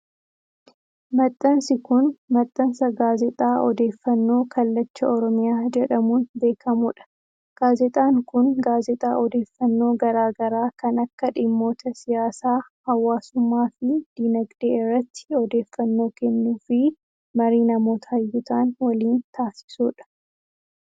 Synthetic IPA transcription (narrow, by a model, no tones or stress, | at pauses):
mɐt̪ʼːɐnsɪkʊnmɐt̪ʼːɐnsɐɡaːzɛt̪ʼaːʔɔd̪e̞ːfːɐnːo̞ːkɐlːɐt͡ʃːɐɔɾɔmɪjaːd͡ʒɛᶑɐmuːnbe̞ːkʰɐmuːᶑɐ̥ | ɡ̥aːzɛt̪ʼaːŋkʊnɡaːzɛt̪ʼaːʔɔd̪e̞ːfːɐnːo̞ːɡɐɾaːɡɐɾaːkɐnɐkːɐᶑɪmːo̞ːt̪ɐsɪjaːsaː | hɐwːaːsʊmːaːfɪd̪̥iːnɐɡd̪eːɪrːɐt̪ːɪ̥ɔd̪e̞ːfːɐnːo̞ːkɛnːuːfɪ | mɐɾiːnɐmo̞ːt̪ʰɐɐjːʊt̪aːnwɐliːnt̪aːsɪ̥suːᶑɐ̥